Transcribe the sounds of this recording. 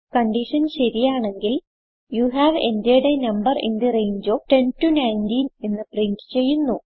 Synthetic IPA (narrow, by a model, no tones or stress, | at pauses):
kɐɳɖiʂɐnɕɐɾijaːɳe̞ŋɡil | juːɦæːʋe̞̰ndijɐɽe̞nɐmbɐrḭnd̪ɨrejɲd͡ʑoːʈe̞ntunɐjndiːne̞nːɨpriɳtɨ̥t͡ɕe̞jːunːu